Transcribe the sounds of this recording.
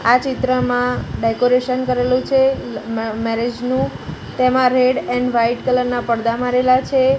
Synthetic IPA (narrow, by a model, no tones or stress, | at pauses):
at͡ʃɪt̪ɾəmãɖekoɾeʃənkəɾelũt͡ʃʰe | mɛɾed͡ʒnũ | t̪emãɾeɖɛɳʋaiʈkələɾnapəɽd̪amaɾelat͡ʃʰe